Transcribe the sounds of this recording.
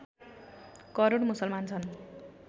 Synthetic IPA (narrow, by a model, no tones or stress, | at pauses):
kʌɾoɽmusʌlmant͡sʰʌn